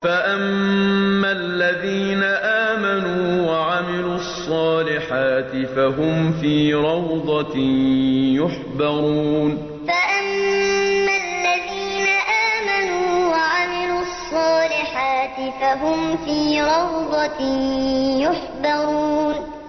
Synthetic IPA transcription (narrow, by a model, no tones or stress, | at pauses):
faʔammːalːaðiːnaʔaːmanuːwaʕamɪluːɑsˤːɑːlɪħaːt̪ɪfaɦʊmfiːɾˤɑwd̪ˤɑ | jʊħbɑɣuːn | faʔamː | alːaðiːnaʔaːmanuːwaʕamɪluːɑsˤːɑːlɪħaːt̪ɪfaɦʊmfiːɾˤɑwd̪ˤɑ | jʊħbɑɣuːn